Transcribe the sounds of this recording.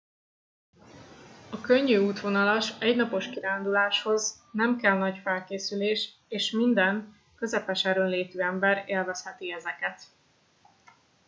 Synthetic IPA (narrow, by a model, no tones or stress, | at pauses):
ɒkøɲːyuːt̪ʋo̞nɒlɒʃɛɟnɒpo̞ʃkiɾaːnd̪ulaːʃho̞z | nɛmkɛlnɒɟfɛlkeːsyleːʃ | eːʃmind̪ɛn | kø̞zɛpɛʃɛɾønleːt̪yːɛmbɛɾeːlvɛshɛt̪iɛzɛkɛt̪